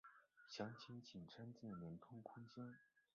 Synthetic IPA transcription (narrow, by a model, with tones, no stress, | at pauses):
ɕjɑ˧˥ŋt͡ɕʰi˧˥ŋt͡ɕʰi˨˩nʈ͡ʂʰa˥nt͡ɕjɛ˥˩nlə˧˥nt̪ʰʊ˥ŋkʰʊ˥ŋt͡ɕjɛ˥n